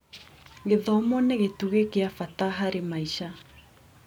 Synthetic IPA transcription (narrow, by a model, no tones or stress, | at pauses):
ɡeðɔmɔneɣetuɣekeafataɦaɾemaiʃa